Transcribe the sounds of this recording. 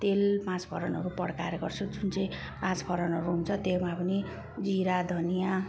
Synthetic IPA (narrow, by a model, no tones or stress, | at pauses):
t̪elpãt͡spʰʌɾʌnʌɾupʌɽka̰ɾjeɡʌrt͡sʰud͡zunt͡sʌj̃ | pãt͡sbʰʱʌɾʌnʌɾuɦunt͡sʰʌt̪emapʌni | d͡ziɾad̪ʱʌnija